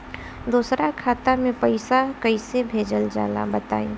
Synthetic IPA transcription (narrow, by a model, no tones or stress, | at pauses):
d̪uːsɾakʰaːt̪amẽpəɪsakəɪsebʱeːd͡ʒəld͡ʒa̰ːla̰bət̪a̰ːĩ